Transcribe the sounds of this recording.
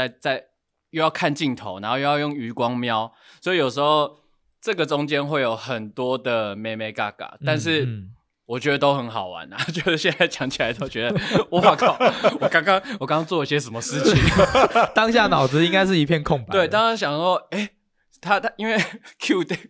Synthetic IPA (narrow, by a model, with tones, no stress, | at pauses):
a˥˧ɪt͡sa˥˧ɪ | jo˥˧ʊjɑ˥˧ʊkʰa˥˧nt͡ɕi˥˩nt̪ʰo˧˦na˨˩nxo˥˧jo˥˧jjo˥˩ŋy˧˥kwɑ˦˥ŋmjɑ˦ʊ | swɔ˧˥i˨jo˨˩ʂ̬ɻ̩˧˥xo˥˧ʊ | ʈ͡ʂɤ˥˩ɡə˩ʈ͡ʂʊ˦ŋt͡ɕjɛ˦˥nxwe˥˩ɪjo˨˩ʊxə˨˩nt̪wɔ˦˥d̪ə˨me˨˧ɪme˨˧˥ɪka˥˩ka̰˨˩t̪a˥˧nʂ̬ɻ̩˥˩ | wɔ˨˩t͡ɕɥɛ˧˥d̪ə˨˧t̪o˥ʊxə˧˦nxɑ˨˩ʊwa̰˧˦na̰˨˩t͡ɕɥɛ˧˥d̪ə˨˩ɕjɛ˥˧n˦a˥˩ɪt͡ɕjɑ˨˧˥ŋt͡ɕʰi˨la˧˦ɪt̪ʰo˥ʊt͡ɕɥɛ˧˦d̪ə˧wɔ˨˧˩a˨˩kʰwkɑ˥ŋkɑ˥ŋwɔ˨˩kɑ˥ŋkɑ˥ŋt͡swɔ˥˧i˥˩ɕjɛ˦s̬ə˨˩nmə˦ʂɻ̩˥˨t͡ɕʰi˨˩ŋt̪ɑ˥ŋɕ̬ja˥˩nɑ˨˩ʊd͡zɹ̩˧˦i˥ŋka˥ɪʂ̬ɻ̩˥˩i˧˥pʰjɛ˥˧nkʰʊ˥˨ŋpa˨t̪we˥˩ɪt̪ɑ˥ŋɑ˥ŋɕ̬jɑ˨˩ŋɔ˥e˥˩ɪ | t̪ʰa˦˥t̪i˦˥nwe˥˩ɪkʰju˥˩t̪e˨˩